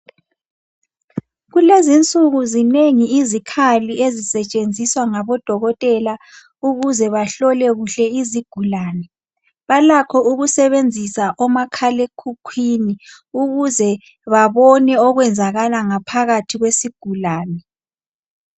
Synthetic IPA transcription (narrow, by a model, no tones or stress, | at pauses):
ɣulezint͡sʼuɣuzineŋiizikʰaliezisɛt͡ʃʼend͡zʱiswaŋaβɔd̥ʱɔɣɔtʼɛla | uɣuzɛβaɬɔlɛɣuɬɛiziɡ̥ʱulaːnɛ | βalakʰɔuɣusɛβend͡zʱisaʔɔmakʰalekʰukʰwini | uɣuzɛ | βaβɔnɛɔɣwɛnd͡zʱaɣalaŋapʰaɣatʰiɣwesiɡ̥ʱulaːnɛ